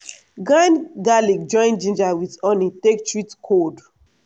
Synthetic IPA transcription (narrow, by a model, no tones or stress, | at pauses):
ɡãjnɡalikd͡ʒɔ̃ɪ̃nd͡ʒĩnd͡ʒawiðɔnitektɹitkʰod